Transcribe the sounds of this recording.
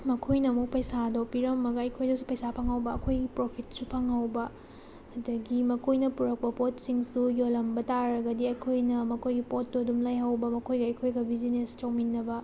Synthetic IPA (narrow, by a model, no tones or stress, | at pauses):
mɐkʰojnɐmuk̚pɐjsadopiɾɐmːɐɡɐɐjkʰojdɐwsu̥pɐjsapʰaŋhɐwbɐɐkʰojɡipɾopʰit̚supʰaŋhɐwbɐ | ɐdɐɡimɐkʰojnɐpuɾɐk̚pɐpot̚siŋsujolɐmbɐtaɾɐɡɐdiɐjkʰojnɐmɐkʰojɡipot̚ːodumlajɦɐwbɐmɐkʰojɡɐɐjkʰojɡɐbizinest͡ʃawminːɐbɐ